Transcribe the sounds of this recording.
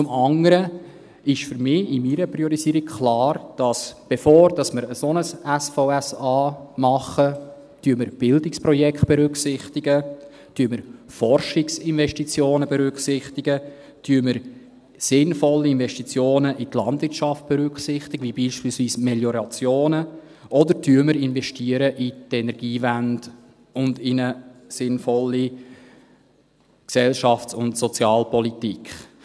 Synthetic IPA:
t͡sʊmɑŋəɾə | ɪʃfʏɾmɪːɪmiɾəpɾiɔɾiziːɾikkʰlɑːrd̥ɑsb̥efoːɾd̥ɑsməɾəsonəsɛsfɔʊæsɑːmɑχːə | tyːəməɾb̥ɪldɪkspɾɔjɛkχt̚b̥ɛɾʏksɪχt̪ɪɡ̥ə | tyːəməɾfɔrʃɪksɪnvɛʃtit͡sjoːnəbɛɾʏkχsɪχtɪɡə | tʰyːəməɾ | sɪnfɔlːiɪnvɛʃtit͡sjoːnəʔit̪lɑndvɪɾtt͡ʃɑft̚b̥ɛɾʏkχsɪχtɪɡ̥əvibiːʃpiːlsviːsmɛljɔɾɑt͡sjoːnə | ʔɔd̪əɾtʰyəməɾɪnvɛʃtiəɾəʔitɛnɛɾɡ̥iːvænd̥ | ʊndɪnəsɪnfɔlːi | ksɛlʃɑft͡sʊntsɔt͡sjɑːlpɔlitikχ

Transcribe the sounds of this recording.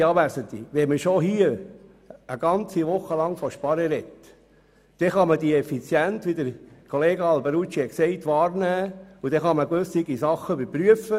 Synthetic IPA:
ɑːʋæsənt̪ḭʋɛməʃoɦiə | əɡ̥ɑnt͡siʋʊχːəlɑŋfɔʃpɑɾəɾɛt̪ | d̥ɛχɑməd̥iɛfit͡sjænt̪ʋid̪əɾkʰɔleːɡəɑlbəɾut͡ʃiɛksɛɪt̪ʋɑːɾnæːud̥̪ɛχɑməɡʋɵsɪɡisɑχːəbəpɾyəfə

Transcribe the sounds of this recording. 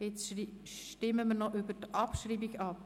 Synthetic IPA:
ɛt͡s | ʃtɪmːəmənɔʔʏbətʔɑpʃɾiːbiɡɑp

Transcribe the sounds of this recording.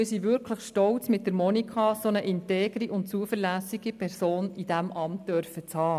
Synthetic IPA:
misiːʋʏɾkʰləχʃtɔlt͡smɪt̚ːdəɾmɔnikʰɑsonəʔɪnteːɡɾiʔʊnt̚t͡suəfəɾlæsiɡ̥ipʰɛɾsoːnid̥æmʔɑmt̚d̥œɾfət͡shɑː

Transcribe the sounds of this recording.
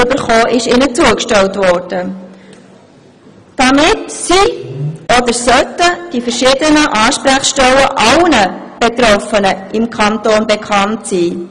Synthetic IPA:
ʏbəɾχoːʔɪʃɪnət͡suəkʃtɛltvɔrd̥ə | d̥ɑmɪtsiʔɔd̪əɾsœtəd̥ifəɾʃiːdənəʔɑːʃpɾæχʃtɛləʔɑlnə | b̥et̪ɾɔfənəʔɪmkʰɑntoːnbekʰɑntsiː

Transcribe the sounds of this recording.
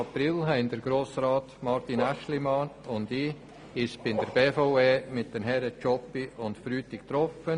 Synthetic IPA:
ɑpɾɪlɦɛɪndəɾɡ̥ɾoːsɾɑːtmɑɾtinæʃlimɑnʊndɪ | ɪʃb̥ɪndəɾb̥eːfoʊeːmɪt̚d̥ənɦɛɾət͡ʃɔpiʊntfɾyːtɪkt̪ɾɔfən

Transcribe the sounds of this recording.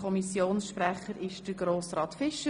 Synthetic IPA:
ɔmisjoːnsʃpræχəɾɪʃd̥əɡɾoːsɾɑːt̪fɪʃə

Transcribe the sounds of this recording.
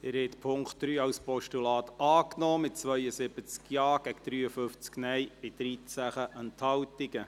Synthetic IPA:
ɪɾhɛt̪pʰʊŋktd̥ɾyːɑwspɔʃtulɑːt̪ɑːknɔːmɪt̚t͡sʋœʏəsɪbət͡skjɑːɡ̥ɛɡd̪̥ɾyːəfʏft͡sknɛjpɪtd̥ɾiːt͡sæχəʔənt̪hɑwt̪ɪɡə

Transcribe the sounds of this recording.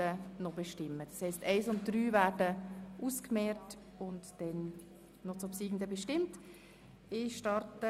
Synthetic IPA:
ənɔbeʃtɪmːəd̥ɑshɛɪstɛɪsʊnt̚d̥ɾyːvæːɾdəʔuːskmɛːt | ʊntd̥ɛn | nɔt͡sopsiːɡn̩dəbɛʃtɪmt | ɪʃtɑɾtə

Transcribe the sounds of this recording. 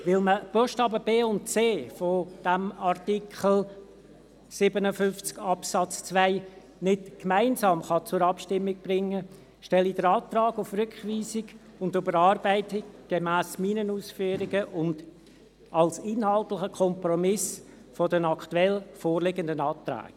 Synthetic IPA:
ʋɪlməb̥ɔʃtɑːbəbeːʊntt͡seːfɔd̥æmɑrtikχl̩ | sɪbənəfʏnft͡skɑpsɑt͡st͡svaɪ | nɪtkmæɪnzɑːmχɑt͡sʊɾɑpʃtɪmːɪɡ̚b̥ɾɪŋːə | ʃtɛlid̥əɾɑːt̪rɑːɡʊfrʏkχʋiːsɪɡ | ʊndʊbəɾɑːrbæɪtɪkɡ̥emæːsmiːnənuːsfyːəɾiɡəʔʊnd̥ | ɑlsɪnhɑlˠtlɪχəkʰχɔmprɔmɪs | fɔdənɑktuɛlfoːrlɪɡəndənɑːt̪ræ̰ːɡ̥

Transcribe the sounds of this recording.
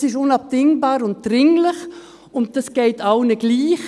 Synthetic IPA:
sɪʃʊnɑp̚d̥ɪŋbaːɾʊnt̚d̥ɾɪŋlɪχ | ʊnt̚d̥ɑsɡ̥eɪtaʊnəɡ̥liːχ

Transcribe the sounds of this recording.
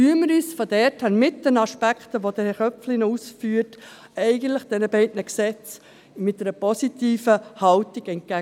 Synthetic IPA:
yəməɾisfɔdɛɾthɛnmɪtd̥ənɑʃpækχtəʋod̥̪əχœpflɪnusfyːəɾt | ɛɪɡən̩tləχd̥ɛnəbɛɪdnəksɛt͡s | mɪt̚dɛɾəpɔsitiːfəhɑwtɪɡɛnt̚kæ

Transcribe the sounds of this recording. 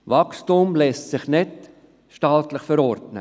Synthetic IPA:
vɑkstumlɛstsɪχnɪt | ʃtɑːtləχfəɾɔrdnə̰

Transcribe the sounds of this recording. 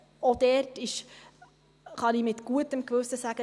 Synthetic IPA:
od̥̪ɛrtɪʃ | χɑnimɪt̪ɡ̥uətəmkʋɵsəsæɡ̥ə

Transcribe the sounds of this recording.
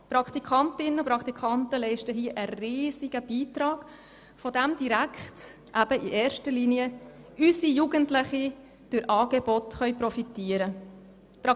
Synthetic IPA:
pɾɑkt̪ikʰɑntɪnənʊpɾɑkt̪ikʰɑntəlɛɪʃtəɦiəʔəriːziɡ̥əb̥iːtɾɑːɡ̥ | fɔdæmd̥iɾækχt | ʔæb̥əiʔeːɾʃtəɾliːniə | ysijuɡəntlɪχi | d̥ʊɾʔɑːɡ̥ebɔtχœʏpɾɔfitiːəɾə | pɑ

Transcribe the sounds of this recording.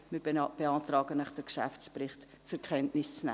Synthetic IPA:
mɪb̥eɑːtɾɑːɡənəχd̥əɾkʃa̰ft͡sprɪχt | t͡sɛɾkχɛntnɪst͡snɛ̰

